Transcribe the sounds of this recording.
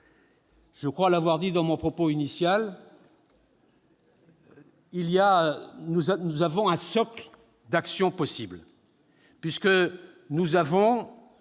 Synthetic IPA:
ʒ̥əkχwalavwaʁd̪id̪ɑ̃mɔ̃pχɔpoinisjal | ilijanuznuzavɔ̃ɛ̃sɔkl | d̪aksjɔ̃pɔsibl | pɥiskə | nuzavɔ̃

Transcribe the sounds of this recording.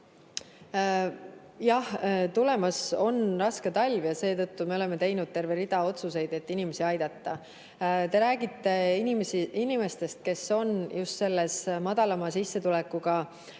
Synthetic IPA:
jɑht̪ule̞mɑso̞nrɑske̞t̪ɑlʲvjɑse̞ːt̪ɤt̪ːume̞o̞le̞me̞t̪e̞jnud̪̥̚t̪e̞rve̞ɾid̪̥ɑo̞t̪suse̞jd̪e̞t̪ːinime̞siɑjd̪̥ɑt̪ˑːɑ | t̪e̞ɾæːɡit̪ːe̞nimsinime̞st̪e̞st̪̚ke̞so̞njust̪se̞lːesmɑd̪ɑlɑmɑsisːe̞t̪ulɛkːˑuɡ̥ɑ

